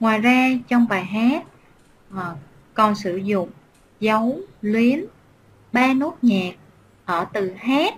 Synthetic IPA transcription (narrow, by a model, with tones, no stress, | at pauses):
ŋwaː˨˩jzaː˧t͡ɕɔ˧wŋ͡mɓaː˨˩jɦaː˦˥t̚ | ʔə˨˩ | kɔ˨˩nsɨ˧˩zʊ̰˧˨ŋ͡m | zə˨˦wlwi˨˦ən | ɓaː˧no˦˥t̚ɲaː˨˩k̚ | ʔəː˧˩t̪ɨ˨˩haː˦˥t̚